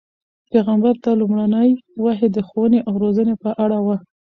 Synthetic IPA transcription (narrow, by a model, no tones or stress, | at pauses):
peɣambaɾt̪alumɽanəjwaɦed̪əxowəneʔawɾozənepəʔaɽawa